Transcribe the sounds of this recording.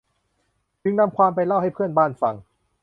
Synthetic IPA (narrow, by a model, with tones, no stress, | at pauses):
t͡ɕɯ˧ŋna˧mkʰwaː˧mpa˧jla˥˩wha˥˩jpʰɯ˥˩ənbaː˥˩nfa˨˩ŋ